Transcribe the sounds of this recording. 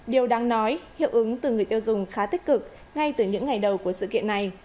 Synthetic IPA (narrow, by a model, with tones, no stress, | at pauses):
ɗi˨˩əwɗaː˨˧ŋnɔ˨˦jhḭ˧˨əwʔɨ˨˦ŋt̪ɨ˨˩ŋɨ˨˩əjt̪i˧wzʊ˨˩ŋ͡mxaː˨˦t̪ï˦˥k̟̚kɨ˨˩k̚ | ŋa˧jt̪ɨ˨˩ɲɨ̰˧˥ŋːa˨˩jɗə˨˩wku˧˩əsɨ̰˧˨kḭ˧˨əna˨˩j